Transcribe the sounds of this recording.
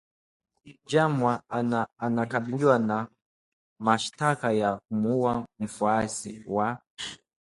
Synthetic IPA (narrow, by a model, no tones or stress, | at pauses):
d͡ʒamaaanakaɓiliwana | maʃtakajak̚umuwam̩fuasiwa